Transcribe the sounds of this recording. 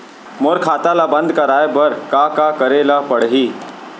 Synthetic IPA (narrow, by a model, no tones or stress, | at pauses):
moɾkʰaːt̪alabə̃nd̪ʱkaɾajbəɾkakakəɾelapəɽɦiː